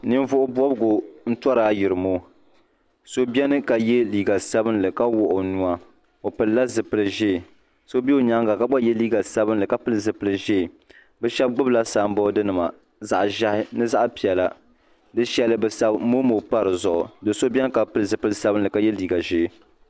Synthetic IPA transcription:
nɨ˦n˦vʊ˦ʔʊ˦bɔ˦bɡo˨n̩˦twɔ˦ɾaː˦jɪ˨ɾɨ˨mo˦ | so˦bʲɛ˦nɨ˦ka˨jɛ˦liː˨ɡa˨sa˦bɨ˦nlɨ˨ka˦wʊ˨ʔʊ˨nu˨˦a˦ | o˨pɨ˨lla˦zɨ˨pɨ˨lɨ˨ʒeː˦˨ | so˦bi˦o˨ɲa˦ŋɡa˨ka˦ba˦jɛ˦liː˦ɡa˨sa˦bɨ˦nlɨ˨ka˦pɨ˦lɨ˨zɨ˨pɨ˨lɨ˨ʒe˦˨ | bɛ˦ʃɛ˦b̚ɡ͡bʊ˦bla˦saː˨m˦bɔ˦dɨ˦nɨ˨ma̰˨ | za̰˦ʔʒa˦hɪ˦nɨ˦za˦ʔpi˨ɛ˨la˨ | dɨ˦ʃɛ˦lɨ˦bɛ˨sa˦bmo˦mo˨pa˦ɾɨ˨zʊ˨ʔʊ˨dɨ˨so˦bʲɛ˦nɨ˦ka˨pɨ˦lɨ˦˨zɨ˨pɨ˦lɨ˦sa˦bɨ˦nlɨ˨ka˨˦jɛ˦liː˦˨ɡa˨ʒe˦˨

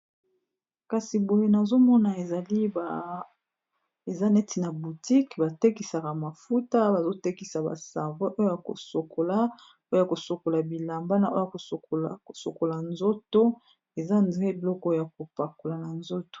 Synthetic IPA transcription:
ka˨si˨bo˨je˦na˨zo˦mɔ˦na˨e˨za˨li˦ba˨ | e˨za˦nɛ˦ti˨na˨bu˨ti˦kba˨te˦ki˨sa˨ka˨ma˨fu˦ta˦ba˨zo˦te˦ki˨sa˨ba̰˨sa˨ve˦ʔo˦jo˦ja˨ko̰˨so˨kʰo˨la˦ | o˦ja˨ko˨so˨ko˨la˨bi˨la˨mba˦na˦˨ʔo˦a˨ko˨o˨so̰˨ko˨la˨nzo˦to˦ | e˨za˦ndʁɛ˦bi˨lɔ˦kɔ˦o˨ja˨ko˨pa˨ko˨la˨na˨nzo˦to̥˨

